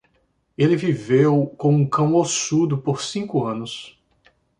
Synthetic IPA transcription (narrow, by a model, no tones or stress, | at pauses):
elɪvivewkõũkɐ̃w̃osud̪ʊpoɾsĩkʊɐ̃nʊs